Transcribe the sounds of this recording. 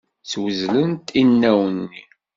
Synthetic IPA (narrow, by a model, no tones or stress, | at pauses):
t͡swəzlənt̪inːæwənːi